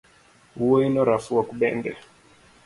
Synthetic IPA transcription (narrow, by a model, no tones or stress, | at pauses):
huɔinɔɾafuwakuɓɛ̰ndɛ̰